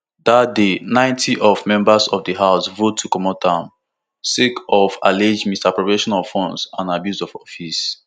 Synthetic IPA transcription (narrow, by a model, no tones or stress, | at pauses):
dat̚denãɪ̃ntʰiʔɔvmɛ̃mbasɔvdəɦaʊsvotʰːukɔmɔtʰãm | sikɔfa̰led͡ʒmistapɹɔpɹeʃɔnafɔ̃nsãnabjuzɔvɔfis